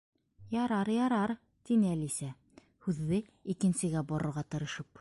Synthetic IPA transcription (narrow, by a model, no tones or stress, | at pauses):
jɒɾɑɾjɒɾɑɾ | t̪inɘælisæ | hʉðːɘ | ikɘ̆nsɘ̆ɡæbɒɾɤ̆ɾʁɑt̪ɤ̆ɾɤ̆ʃɤp